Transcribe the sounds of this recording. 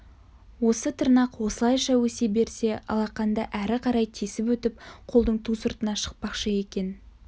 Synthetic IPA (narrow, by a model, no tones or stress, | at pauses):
wo̞sət̪ʰəɾnɑqwo̞səlˠɑjʃɑwɵse̞be̞ɾse̞ʔɑ̰lˠɑqːɑnd̪ɑʔæɾɪqʰɑɾɑjt̪ʰesɪpwɵt̪ɪp̚qʰo̞lˠd̪əɴt̪ʰusʊɾt̪ənɑʃə̥q̚pɑqʃəe̞kʲe̞n